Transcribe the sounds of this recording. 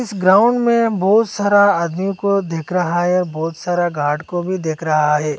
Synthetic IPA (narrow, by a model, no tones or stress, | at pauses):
ɪsɡɾaːʊ̃ɳɖmẽbɔːt̪saːɾaaːd̪mijõkod̪eːkʰɾɐɦaɦɛɔːɾbɔːt̪saːɾaɡaːʈkobʱid̪eːkʰɾɐɦaɦɛː